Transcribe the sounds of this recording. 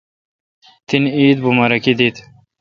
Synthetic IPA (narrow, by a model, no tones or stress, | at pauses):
t̪iniːd̪bumɐɾɐkid̪it̪